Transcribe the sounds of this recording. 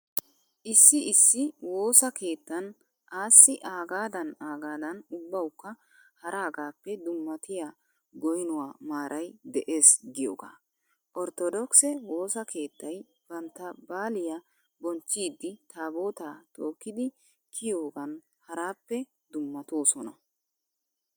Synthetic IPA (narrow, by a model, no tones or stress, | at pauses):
ʔɪsːɪɪsːɪwo̞ːsɐke̞ːt̪ːɐn | ʔaːsːɪʔaːɡaːd̪ɐnaːɡaːd̪ɐnʊbːɐwkːɐ | hɐɾʔaːɡaːpːɛd̪ʊmːɐt̪ɪja | ɡɔjnʊwaːmaːɾʔɐjd̪ɛʔe̞ːsɡɪjo̰ːɡa̰ː | ʔɔɾt̪ɔd̪ɔksɛwo̞ːsɐkʰe̞ːt̪ːɐj | b̥ɐnt̪ːɐbaːlɪja | bɔnt͡ʃːiːd̪ːɪt̪ʰaːbo̞ːt̪aːt̪o̞ːkːɪd̪ɪ | kʰɪjo̞ːɡɐn | hɐɾaːpːɛ | d̪ʊmːɐt̪oːsɔnɐ̰